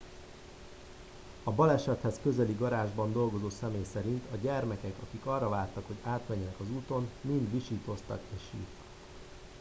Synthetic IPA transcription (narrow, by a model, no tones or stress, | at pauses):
ɒbɒlɛʃɛt̪hɛskø̞zɛliɡɒɾaːʒbɒnd̪o̞lɡo̞zoːsɛmeːjsɛɾint̪ʰɒɟɛrmɛkɛkɒkikɒrːɒvaːlt̪ɒkho̞ɟaːt̪mɛɲːɛnɛkɒzuːt̪o̞nmind̪ʋiʃiːt̪o̞st̪ɒ̰keːʃḭːrt̪ɒ̥k